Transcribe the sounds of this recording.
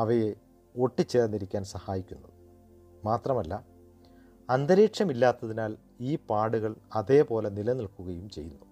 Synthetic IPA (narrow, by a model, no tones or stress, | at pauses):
ɐʋɐje | o̞ʈːit͡ɕːernːiɾikʲːaːnsɐhaːjikʲːunːɐð | maːt̪rɐmɐlːɐ | ɐnd̪ɐɾeːʈʂɐmilːaːt̪ːɐðinaːl | iːpaːɽuɣɐɭɐðe̞ːpo̞ːle̞nilɐniɭkuɣɐjumt͡ɕe̞jːunːu